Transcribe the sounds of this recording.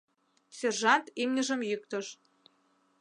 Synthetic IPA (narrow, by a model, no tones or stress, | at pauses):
sʲerʒɑnt̪imnʲəʒəmjyk̚t̪əʃ